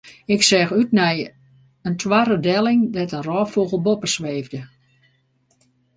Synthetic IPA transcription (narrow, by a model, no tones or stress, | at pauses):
ɪksɛxytnɛj | əntʰwaɾədɛlˠɪŋdɛtənrɔːfoːɣəl̩ˠbopəsʋeːvdə